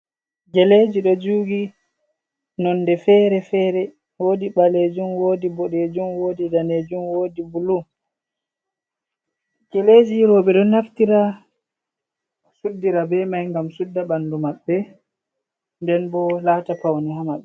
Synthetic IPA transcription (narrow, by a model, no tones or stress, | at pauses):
ɡɛled͡ʒiɗɔd͡ʒuːɡi | nɔnːdɛfɛːɾɛfɛɾɛ | woːdiɓaled͡ʒumwoːdibɔɗed͡ʒumwoːdidaned͡ʒumwoːdibulu | ɡ̥ɛled͡ʒiɾɔɓɛdɔnaftiɾa | sudːiɾabɛmajŋɡamsudːabandumaɓːɛ | ndɛnbɔlaːtapawniɦamaɓɛ